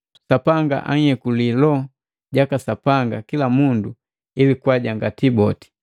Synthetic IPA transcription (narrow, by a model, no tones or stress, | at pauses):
sapaŋɡa̰ʔa̰ŋ̩hɛkulilɔ | ɟakasapaŋɡakilamundu | ilikwaɟaŋɡatibɔti̥